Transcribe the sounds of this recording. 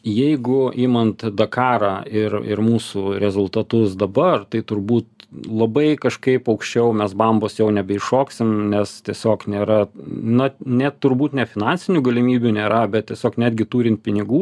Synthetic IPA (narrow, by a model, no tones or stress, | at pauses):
jɛɪɡʊʔiːmɐnt̪d̪ɐkɑːɾɑːɪrɪ̰ɾmuːsuːɾʲɛzʊlˠt̪ɐt̪ʊsd̪ɐbɐrt̪ɐɪt̪ʊɾbuːt̪lˠɐbɐɪkɐʃkɐɪpɐʊkʃʲt͡ʃʲɛʊmʲɛsbɐmboːsjɛʊnʲɛbʲɛɪʃoːksʲɪmnʲɛst̪ʲiɛsʲoːknʲeːɾɐnɐnʲɛt̪ʊɾbuːt̪nʲɛfʲɪnɑnʲsʲɪnʲuːɡɐlʲɪmʲiːbʲunʲeːɾɐbʲɛt̪̚t̪ʲiɛsʲoːknʲæːd̪ʲɡʲɪt̪uːɾʲɪnt̪̚pʲɪnʲɪɡuː